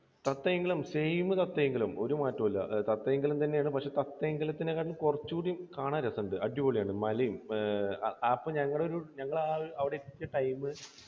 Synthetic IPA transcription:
t̪ɐt̪ːɐjeŋɡɐlumsejmɨt̪ɐt̪ːɐjeŋɡɐlumo̞̰ɾumaːtːɐmɐlːɐ̰t̪ɐt̪ːɐjeŋɡilumt̪ɐnːejaːɳɨpɐkʂe̞ːt̪ɐt̪ːɐjŋɡɐlɐt̪ːinekaːɾɐlkurɐt͡ɕːukuɽijmkaːɳaːɾɐsɐɳɖɨʔɐɖjuʋoːɭijaːɳɨmɐlɐjumː | pːɐɲɐŋːɐɽeo̞ɾuɲɐŋːɐɭaɐʋiɽet̪i̥kʲːɐʈɐjmɨ

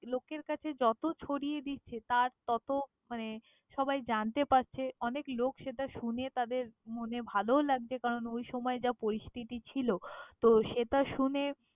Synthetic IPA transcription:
lokeɾkat͡ɕʰed͡ʑɔt̪ot͡ɕʰoɽied̪it̪̚t͡ɕʰet̪aɾt̪ɔt̪o | mane | ʃɔbajd͡ʑant̪epaɾt͡ɕʰeɔneklokʃeʈaʃunet̪ad̪eɾmonebʱalolaɡ̚d͡ʑekaɾonojʃɔmɔed͡ʑapoɾist̪ʰit̪it͡ɕʰilot̪oʃeʈaʃune

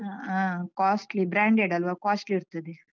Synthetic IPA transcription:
ãkaːsʈlibɾãːɳɖeɖɐlʋakaːsʈliːɾt̪ɐd̪i

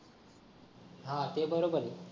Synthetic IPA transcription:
ɦãt̪ebəɾobəɾe

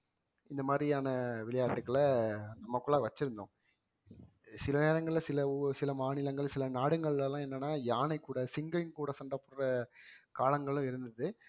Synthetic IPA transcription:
ɪnd̪ɐmaːd̪ɾɪaːnɐʋɪɭɐjaːʈːɯkːɐɭɐnɐmːɐkːʊɭaːʋɐt͡ʃːɪɾɯnd̪õ̰ː | sɪlɐneːɾɐŋɡɐɭɪlɐsɪlɐsɪlɐmaːnɪlɐŋɡɐɭsɪlɐnaːɽɯŋɡɐɭɪlɐlãːɛnːɐnːaːjaːnɐɪkːuːɽɐsɪŋɡɐjnkuːɽɐsɐɳɖɐpːʊɾɾɐkaːlɐŋɡɐɭʊ̃ɪɾɯnd̪ɐðɯ

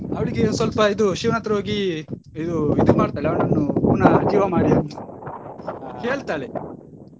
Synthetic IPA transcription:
ɐʋɐɭiɡeːnusʋɐlpɐid̪uʃiːʋnɐt̪ɾɐɦoːɡi | id̪uid̪imaːɽt̪aːɭeɐʋɳɐnːuɡunɐd͡ʒiːʋɐmaːɽiɐnt̪u | ke̞ːɭt̪aːɭe

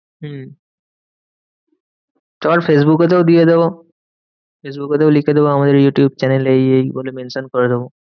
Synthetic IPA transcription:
ɦ̩ | t̪ɔmaɹpʰes̬bukɔt̪̬eʊd̪ijed̪ebɔ | pʰes̬bukɔt̪eʊlikʰed̪ebɔamad̪eɹjuʈjubt͡ɕɛnelejejbolemensɔnkɔɹɛd̪ebɔ

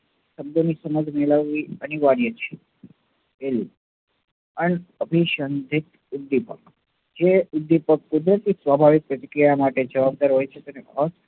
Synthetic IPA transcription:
ʃəb̚d̪onisəməd͡ʒʱmɛɭəʋːiəniʋaɽijət͡ʃʰe | elũ | əneəbʱiʃənd̪ʱit̪ | ud̪ːipə̰k | d͡ʒeud̪ːipəkkud̪ɾət̪isʋabʱaʋik̚pɾət̪ikɾijamaʈed͡ʒəʋab̚d̪aɾɦojt͡ʃʰet̪eneəs

